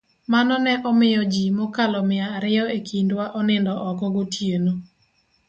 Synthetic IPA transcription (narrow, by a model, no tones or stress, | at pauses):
manɔnɛʔɔmɪjɔd͡ʒimɔkalɔmɪaːɾɪɔekʰindwaʔɔnɪndɔʔɔkɔɡotʰjeno